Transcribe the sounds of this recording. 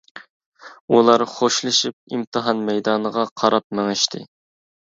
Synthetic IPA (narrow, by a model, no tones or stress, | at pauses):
ulˠɑɾχoʃlˠɨʃip̚imt̪ʰɨɦɑnmɛjd̪ɑːnəʁɑqʰɑɾɑp̚mɛŋɛʃt̪ʰɪ̰